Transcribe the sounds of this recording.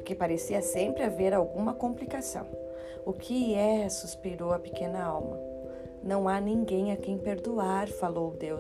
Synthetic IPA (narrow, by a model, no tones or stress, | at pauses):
ʊɾkepaɾesiɐsẽmpɾɪaveɾawɡũmɐkõmplikasɐ̰̃w̃ | ʊkʰɪɛsuspiɾowɐpekẽnɐawmɐ | nɐ̃w̃anĩŋɡẽj̃ɐkẽj̃peɾd̪uaɾfalowd̪ew